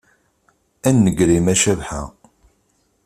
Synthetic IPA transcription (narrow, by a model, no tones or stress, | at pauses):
ænːəɡɾimæʃævħa̰